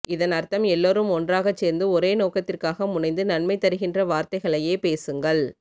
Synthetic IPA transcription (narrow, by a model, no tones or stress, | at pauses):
ɪðɐnɐɾt̪ɐmɛlːoːɾɯmɔndraːɣɐt͡ʃːeːɾnd̪ɯɔɾeːnoːkɐt̪ːɪrkaːɣɐmʊnɐɪnd̪ɯnɐnmɐɪt̪ːɐɾɯɣɪndrɐʋaːɾt̪ɐɪɣɐɭɐjeːpeːsɯŋɡɐɭ